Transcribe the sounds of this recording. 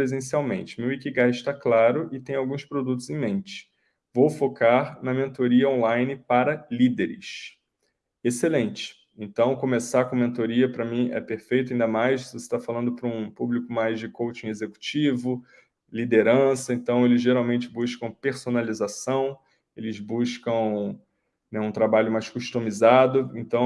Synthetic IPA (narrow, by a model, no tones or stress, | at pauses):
pɾezẽsiawmḛ̃nt͡ʃɪ̥mewikiɡaɪʃt̪aklaɾʊʔɪt̪ẽj̃awɡũspɾod̪ut̪ʊzẽj̃mẽnt͡ʃɪ̥ | vowfokaɾnɐmẽnt̪oɾiɐõlajnɪpaɾɐlid̪eɾɪ̰ʃ | eselẽnt͡ʃɪ̥ | ẽnt̪ɐ̃w̃kõmesaɾkõɐmẽnt̪oɾiɐpɾɐmĩɛ̰peɾfejt̪ʊaɐĩnd̪ɐmajsvose̥t̪afalɐ̃nd̪ʊpɾɐũpublikʊmajzd͡ʒɪkowt͡ʃĩezeku̥t͡ʃivʊ | lid̪eɾɐ̃sɐẽnt̪ɐ̃w̃elɪzʒeɾawmẽnt͡ʃɪbuʃkɐ̃w̃peɾsonalizasɐ̃w̃ | elɪzbuʃkɐ̃w̃ | nɛũt̪ɾabaʎʊmajskuʃt̪ũmizad̪ʊẽnt̪ɐ̃w̃